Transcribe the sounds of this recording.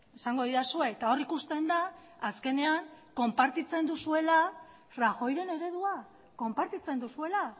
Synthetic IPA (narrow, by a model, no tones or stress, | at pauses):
e̞saŋɡo̞ðiɾasue̞ːt̪ao̞rikust̪e̞nd̪aː | ske̞ne̞aŋko̞mpaɾt̪it͡se̞nd̪usue̞la | raxo̞jɾe̞ne̞ɾe̞ðua | ko̞mpaɾt̪it͡se̞nd̪usue̞la